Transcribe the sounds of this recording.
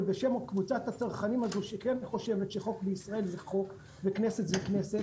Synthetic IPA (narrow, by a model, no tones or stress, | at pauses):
lbeʃemokvut͡sat̪hat͡saʁχanimazuʃekenaniχo̞ʃe̞vet̪ʃeχo̞kbeisʁae̞lzeχo̞k | vekneset͡szekneset